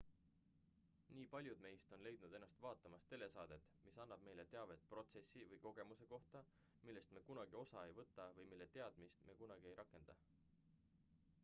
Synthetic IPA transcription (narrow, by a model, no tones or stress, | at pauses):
niːpɑlʲjud̪̥me̞jst̪o̞nle̞jd̪̥nud̪̥e̞nːɑst̪vɑːt̪ːˑɑmɑst̪e̞le̞sɑːd̪̥e̞t̪ːˑmisɑnːɑb̥̚me̞jle̞t̪e̞ɑve̞t̪̚pro̞t̪se̞sːivɤjko̞ɡ̥e̞muse̞ko̞ht̪ɑ | milːe̞st̪mekunɑɡ̥io̞sɑe̞jvɤt̪ːˑɑvɤjmilːe̞t̪e̞ɑd̪̥mist̪me̞ːkunɑɡ̥ie̞jɾɑkːˑe̞nd̪̥ɑ